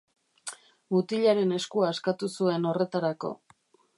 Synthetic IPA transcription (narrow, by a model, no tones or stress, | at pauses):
ut̪iʎaɾe̞ne̞skuaeskat̪usue̞no̞re̞t̪aɾako̞̰